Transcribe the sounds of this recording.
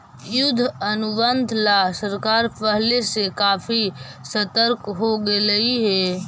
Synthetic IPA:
jʊd̪ʱɐnʊbənd̪ʱlasəɾkaːɾpəɦlesekaːfisɐt̪əɾkɦoɡelɐiɦɛː

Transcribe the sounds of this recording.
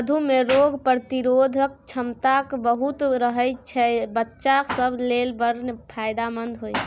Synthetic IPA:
d̪ʱumeɾoɡpɾət̪iɾod̪ʱək̚t͡ʃʰəmt̪akbəɦut̪ɾəɦəjt͡ʃʰɛbətːʃaksəbʱlelbəɾpʰajd̪amənd̪ʱɦoj

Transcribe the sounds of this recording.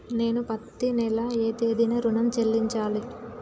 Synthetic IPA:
ne̞ːnupɐt̪ːinɛlɐeːt̪eːd̪inɐɾunɐmt͡ʃelːiɲt͡ʃaːli

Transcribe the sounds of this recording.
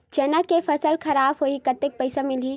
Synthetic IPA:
d͡ʒɛːnakepʰəsəlkʰɐɾaːbɦoikət̪ek̚pəɪsamili

